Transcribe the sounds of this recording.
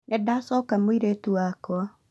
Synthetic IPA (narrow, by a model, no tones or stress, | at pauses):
nɛdasɔkamwiɾetuakwa